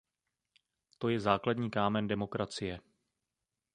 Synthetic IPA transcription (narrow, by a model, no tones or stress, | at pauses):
t̪o̞jɛzaːkladɲiːkaːmɛndɛmo̞kɾʔat͡sɪjɛ